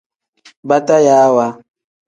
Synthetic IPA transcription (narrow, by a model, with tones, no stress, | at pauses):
ba˦ta˦jaː˦wa˦